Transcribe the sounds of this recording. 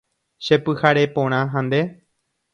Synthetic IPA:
ʃe̞pɨhaɾe̞põɾ̃ãɦãnd̪e̞

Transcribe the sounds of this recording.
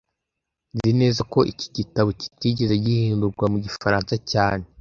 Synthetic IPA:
zine̞ːzako̞ʔici̥ɟitaβoci̥ciːɟezaɟihiːnduɾɡwamuɟifaɾaːnsacaːne

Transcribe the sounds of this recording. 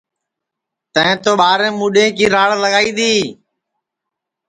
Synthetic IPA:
t̪ə̃ɦɪ̃ːt̪oːɓaːɾẽːmuːɗẽːkiːɾaːɽləɠaːiːd̪iː

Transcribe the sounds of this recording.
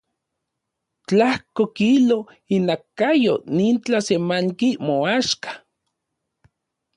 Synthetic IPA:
t͡ɬahkokilo | inakːajoniːnt͡ɬasemaŋkimoaʃkḁ

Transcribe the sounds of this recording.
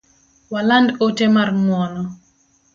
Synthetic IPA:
walandotemarŋwɔnɔ

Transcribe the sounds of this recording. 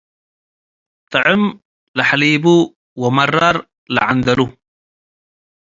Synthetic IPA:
t̪ɑʕɪm | lɪħaliːbu | wɪmɑrˤːɑɾˤ | lɪ̰ʕand̪alu

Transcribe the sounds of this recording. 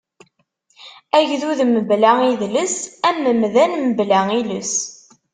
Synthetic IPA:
æʝðuðməblæiðləsæmːəmðænməblæiləs

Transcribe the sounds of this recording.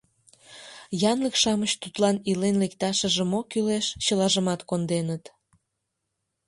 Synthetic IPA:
jɑnləkʃɑməɕt̪ut̪lɑnilenlekt̪ɑʃəʒəmokyleʃt͡ɕəlɑʒəmɑt̪kond̪enət̪

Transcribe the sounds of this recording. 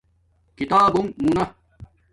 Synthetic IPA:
kit̪aːbumːunɐ

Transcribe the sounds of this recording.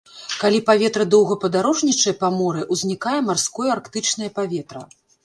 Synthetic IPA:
kalʲipavʲɛt̪ɾɐd̪ɔwɣɐpɐd̪aɾɔʐnʲit͡ʂɐjɐpamɔɾɨʔuzʲnʲikajɛmarskɔjarkt̪ɨt͡ʂnɐjɐpavʲɛt̪ɾɐ

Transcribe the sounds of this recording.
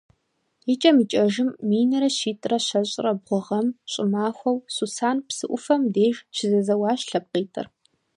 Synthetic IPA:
it͡ʃʼɐmit͡ʃʼɐʒɪmːiːnɐɾɐɕiːtʼrɐɕɐɕʼɪrɐbʁʷʊʁɐmɕʼɪmaːxʷɐwsusaːnpsɨʔʷʊfɐmdeːʒt͡ʃʰɪzɐzɐwɑːɕɬɐp̚qiːtʰɨ̰r

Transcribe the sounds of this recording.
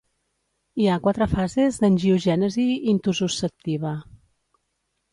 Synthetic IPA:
iakwat̪ɾəfazezðənʲʒiuʒɛnəziːnt̪uzusəp̚t̪iβə

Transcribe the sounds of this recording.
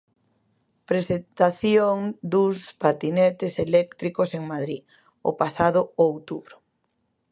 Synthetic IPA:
pɾesent̪aθjoŋd̪uspat̪inɛt̪eselɛkt̪ɾikoseŋmaðɾi | o̰pasaðʊowt̪uβɾʊ

